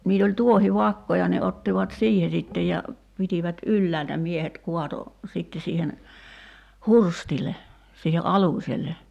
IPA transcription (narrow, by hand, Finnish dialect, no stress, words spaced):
niːl olʲ tuohiʋɑkːojɑ ne otːiʋɑt siːhe sitːej jɑ pitiʋæt ylːæːltæ miehet kuɑto sitːe siːhen hurstile siːhe ʔɑluˑsʲelˑe